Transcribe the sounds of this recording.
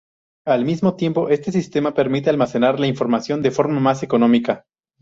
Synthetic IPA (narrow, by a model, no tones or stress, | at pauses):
almizmo̞t̪je̞mpo̞ʔe̞st̪e̞s̬ist̪e̞mape̞ɾmit̪̬e̞almase̞naɾlaiɱfo̞ɾmasjo̞nd̪efo̞ɾmamase̞ko̞nõ̞mika